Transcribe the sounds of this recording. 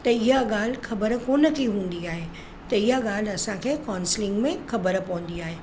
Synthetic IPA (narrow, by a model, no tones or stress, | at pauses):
t̪ɐɪɦaɠaːl̤xʰɐbəɾkoːnə̆kʰiɦũːn̆d̪iaːɦe | t̪ɐɪjaɠaːl̤ɐsãkʰeːkaːnslɪ̃ŋɡmẽxʰɐbəɾpɐʋ̃n̆d̪iaːɦeː